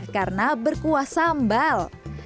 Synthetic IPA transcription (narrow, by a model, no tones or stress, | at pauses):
karənabərkuasambal